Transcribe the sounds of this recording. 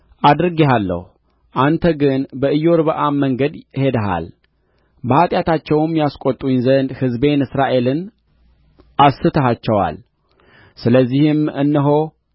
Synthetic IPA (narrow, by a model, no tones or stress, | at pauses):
ʔad̪ɾɨɡeɦalːə̰hu | ʔant̪ʰəɡɨnbəɨjːo̞ɾbəʔamːəŋɡəd̪he̞d̪əɦa̰l | bəhat̪ʼjat̪ʰat͡ʃːɛwmjaskʼot̪ʼunzənd̪hɨzbe̞nɨsɾaʔe̞lɨn | ʔasːɨt̪ʰəɦat͡ʃːɛwa̰l | sɨləzːihɨmɨnːəɦo̞